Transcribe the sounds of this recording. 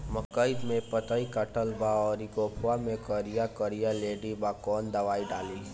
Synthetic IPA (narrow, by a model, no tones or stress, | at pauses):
məkəjt̪mẽpət̪əikəʈəlbaɔːɾɪɡoːpʰwamẽkəɾijakəɾijaleːɖibakɔːnd̪ɐʋaːiɖaːli